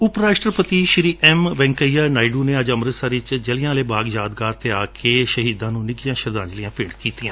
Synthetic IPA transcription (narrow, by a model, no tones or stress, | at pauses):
ʊpɾaːsʈəɾpət̪iːʃɾiːʔɛmʋɛ̃ːŋkəijaːnaːiɖuːneːəd͡ʒəmɾət̪saːɾɪt͡ʃd͡ʒəlɪjãːleːbaːɡjaːd̪ɡaːɾt̪eːaːkʰeːʃəɦiːd̪ãːnũːnɪɡijãːʃəɾd̪ãːɲd͡ʒlijãːpɪːɽkiːt̪ijãː